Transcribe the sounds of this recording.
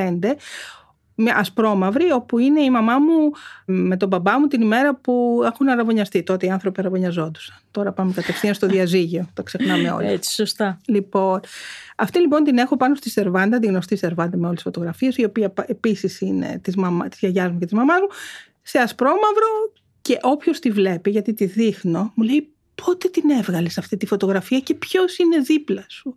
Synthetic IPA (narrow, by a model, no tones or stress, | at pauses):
pend̪e̞ | mʔɐspɾo̞mɐvɾio̞puine̞imɐmɐmume̞t̪o̞bɐbɐmut̪inime̞ɾɐpuexunɐɾɐvo̞ɲɐst̪it̪o̞t̪eiɐnθɾo̞piɐɾɐvo̞ɲɐzo̞nd̪usɐ̥nt̪o̞ɾɐpɐmekɐt̪efθinɐst̪o̞ððiɐziʝio̞t̪okse̞xnɐme̞o̰lit͡si̥sost̪ɐlipo̞nɐft̪ilip̬o̞nt̪ine̞xo̞pɐnost̪ise̞ɾvɐnd̪ɐt̪iɣno̞st̪ise̞ɾvɐnd̪ɐmeo̞lesisfo̞t̪o̞ɣɾɐfiesio̞piɐepisisine̞̰t̪izmɐmɐt̪i̥zʝɐʝɐzmuce̞t̪izmɐmɐzmu | seɐspɾo̞mɐvɾo̞ | ce̞ʔo̞pço̞st̪ivle̞piʝɐt̪it̪iðixno̞mule̞j | pʰo̞t̪et̪ine̞vɣɐlesɐft̪it̪ifo̞t̪o̞ɣɾɐfiɐce̞pço̞sine̞ðiplɐsu